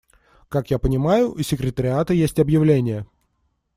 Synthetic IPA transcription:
kakjapənʲɪmajʊʔisʲːɪkɾʲɪt̪əɾʲɪat̪əjesʲtʲɐbjɪvlʲenʲɪjə

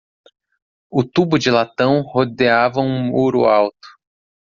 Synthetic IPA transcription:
ʊt̪ubʊd͡ʒɪlat̪ɐ̃w̃hod̪eavɐũmuɾʊ̰awt̪ʊ̥

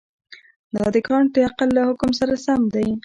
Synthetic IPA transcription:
d̪ɑd̪əkʰɑɳd̪əaqalːahʊkʊmsaɾasamd̪aj

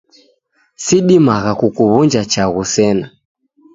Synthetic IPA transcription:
siɗimaɣakukuβund͡ʒat͡ʃaɣusɛna

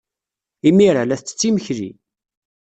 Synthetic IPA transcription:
imiɾalæθt͡sːə̥t͡sːiməçlḭ

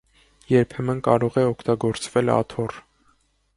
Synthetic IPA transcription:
jɛɾpʰɛmənkɑɾɔʁɛɔkʰt̪ɑɡɔɾt͡svɛlɑ̰t̪ʰɔr

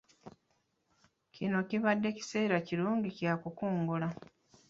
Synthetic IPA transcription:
cʰino̞ciβadːe̞ci̥se̞ːɾaciɾuːŋɡicjakukuːŋɡula

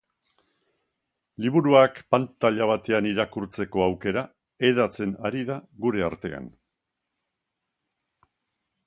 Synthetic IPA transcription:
liβuɾuakpant̪aʎaβ̞at̪e̞aniɾakuɾt͡se̞ko̞awke̞ɾa | e̞ðat͡se̞naɾiðaɣuɾe̞aɾt̪e̞a̰n

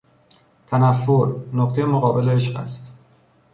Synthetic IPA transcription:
t̪ʰænæfːoɾnoqt̪ʰejemoɣɒːbe̞leeʃɢæ̰st̪

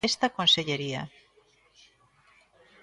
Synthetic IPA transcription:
est̪akonseʎeɾia̰

